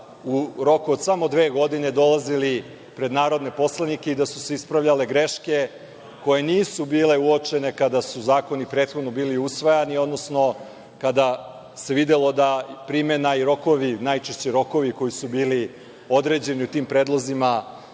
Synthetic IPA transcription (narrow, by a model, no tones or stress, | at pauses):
uɾo̞kuod̪samo̞d̪ʋeːɡo̞d̪ine̞d̪o̞lˠazili | pɾe̞d̪naːɾo̞d̪ne̞po̞slˠanike̞id̪asu̥se̞ispɾaʋʎale̞ɡɾeʃke̞ | ko̞je̞niːsubiːle̞uot͡ʂe̞ne̞kad̪asuzaːko̞nipɾet̪xo̞d̪no̞biːliusʋajanio̞d̪no̞sno̞ | kad̪a | se̞ʋid̪elˠo̞d̪apɾime̞naiɾo̞ko̞ʋinajt͡ʃeʃt͡ɕeɾo̞ko̞ʋiko̞jisubiːli | o̞d̪ɾe̞d͡ʑe̞niut̪iːmpɾe̞ːd̪lˠozima